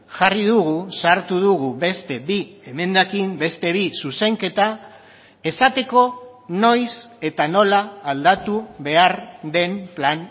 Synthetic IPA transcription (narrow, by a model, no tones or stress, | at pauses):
ʝariðuɣusaɾt̪uðuɣuβe̞st̪e̞bieme̞nd̪akimbe̞st̪e̞βisuse̞ŋke̞t̪a | e̞sat̪e̞ko̞ | no̞jse̞t̪ano̞laːld̪at̪uβe̞aɾd̪e̞mplan